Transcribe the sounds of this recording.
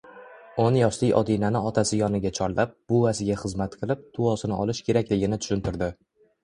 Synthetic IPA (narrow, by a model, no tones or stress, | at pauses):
onjɒʃlijʔɒ̰d̪inanɪɒt̪ʰasɪjɒnɪɡʲat͡ʃʰɒɾlap̚b̥ʊasɪɡʲaχɨzmat̪qʰɨlˠɪp̚t̪ʰʊɒsɪnɪɒlɪʃkʲʰe̞ɾakʲlɪɡʲɪnɪt̪ʰʊ̥ʃʊnt̪ɪɾd̪ɪ